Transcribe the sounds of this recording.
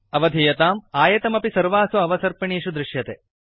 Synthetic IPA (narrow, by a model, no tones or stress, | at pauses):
ɐʋɐd̪ʱijɐt̪aːmaːjɐt̪ɐmɐpisɐɾʋaːsuɐʋɐsɐɾpɐɳiːʂud̪ɾɪʃjɐt̪e